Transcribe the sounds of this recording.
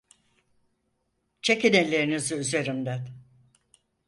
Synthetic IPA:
t͡ʃʰekinelʲeɾiniziyze̞ɾimd̪æn

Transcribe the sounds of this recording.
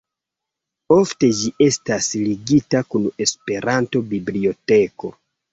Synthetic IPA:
o̞fte̞d͡ʒiʔe̞stasliɡitakune̞spe̞ɾanto̞biblio̞te̞ko̞̰

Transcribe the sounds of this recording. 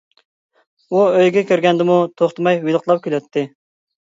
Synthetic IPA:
uøjɡʲɛkʲøɾɡʲɛnd̪ɪmut̪ʰoχt̪əmɑjwilˠəqlˠɑp̚kʲʰylɛt̪ʰːɪ

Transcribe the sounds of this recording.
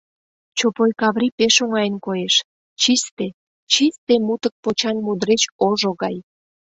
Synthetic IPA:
t͡ɕopojkɑβɾipeʃoŋɑjənkojeʃ | t͡ɕist̪e | t͡ɕist̪emut̪ək̚pot͡ɕɑnmud̪ɾet͡ɕoʒoɣɑj

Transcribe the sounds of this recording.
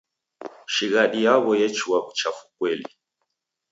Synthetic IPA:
ʃiɣaɗijaβɔjɛt͡ʃuwaβut͡ʃafu̥kwɛli

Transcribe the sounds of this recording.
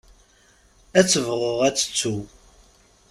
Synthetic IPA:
æt͡sːəvʁoʁæt͡sːə̥t͡sːu

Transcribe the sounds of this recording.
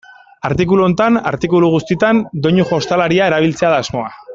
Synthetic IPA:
aɾt̪ik̬uluo̞nt̪ana̰ɾt̪ikuluɣ̞ust̪it̪and̪o̞ɲuxo̞st̪alaɾiae̞ɾaβ̞ilt͡se̞aðaːzmo̞a

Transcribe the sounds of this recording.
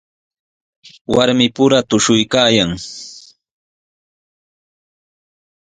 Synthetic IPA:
waɾmɪpʊɾat̪ʊʃʊjkaːjaŋ

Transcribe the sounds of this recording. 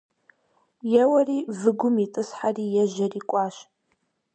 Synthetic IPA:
jɛwɐriːvɨɡʷʊmitʼɨsħariːjɛʒɐriːkʷʼɑːɕ

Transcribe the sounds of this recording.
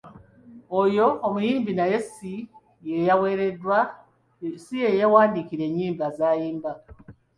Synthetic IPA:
ojo̞ːmujiːmbinaje̞si | jejawe̞ɾe̞dwa | sije̞jawaːndikiɾe̞ɲːiːmbazaːjiːmba

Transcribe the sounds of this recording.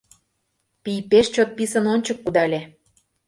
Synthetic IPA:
pijpeʃt͡ɕot̪̚pisə̆nonʲt͡ɕəkːud̪ɑlʲe

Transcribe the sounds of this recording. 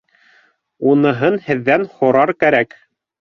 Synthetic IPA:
unɤ̆ɦɤnhɘ̆ðːænhŏɾɑɾkæɾæk

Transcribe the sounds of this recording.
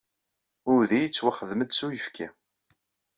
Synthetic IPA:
ʊɾðijət͡sːwaχəðməd̪sujəfkʰæ

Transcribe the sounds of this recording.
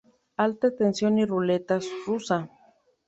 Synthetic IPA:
alt̪at̪ensjonirʊlet̪asrusa

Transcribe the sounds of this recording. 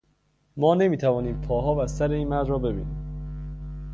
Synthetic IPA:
mɒːne̞miːt̪ʰævɒːniːmpʰɒːɦɒːvæsæɾeiːnmæɾd̪ɾɒːbe̞bḭːnḭː

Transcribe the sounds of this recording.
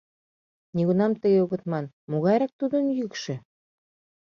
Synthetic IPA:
niɣunɑmt̪əɣeuɣə̆t̪mɑn | moɣɑjɾɑk̚t̪ud̪ənjykʃĕ

